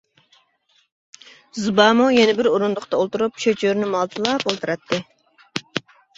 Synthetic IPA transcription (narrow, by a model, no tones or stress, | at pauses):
zɨbɑːmojenɪbɪɾoɾund̪ʊqt̪ɑolˠt̪uɾupʃøt͡ʃʰøɾnɪmɑlˠt̪ʰɨlˠɑpolˠt̪ʰɨɾɑt̪ʰːɨ